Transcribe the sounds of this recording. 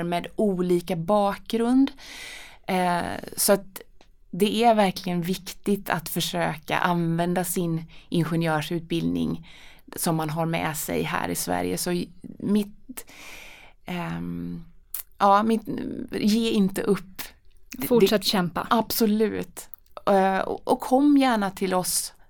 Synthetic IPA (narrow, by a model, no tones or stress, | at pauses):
ɾmɛːd̪uːliːkabɑːk̚ɡɾɵnd̪ | sɔat̪̚ | d̪ɛæɾvæɾklɪɡənvɪkt̪ɪt̪ʰa̰t̪fœʂøːka̰ʔanvɛnd̪asɪnʔɪnɧɛnjœːʂʉ̟ːt̪̚bɪld̪nɪ̰ŋ | sɔmːanɦaɾmɛ̰sɛ̰jɦæ̰ːɾɪsvæ̰ɾjə̰sɔmɪt̪ | jɑːmɪt̪jeːɪnt̪əʔɵpːfʊʂat̪ːɕɛmpa̰ʔab̥sɔlʉ̟̰ːt̪ | ɔ̰ʔɔkʰːɔmːjæːɳat̪ʰɪlɔs